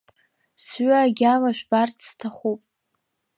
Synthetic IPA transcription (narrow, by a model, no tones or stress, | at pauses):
sɥaːɡʲamaʃʷᶣbartʰstʰaχupʼ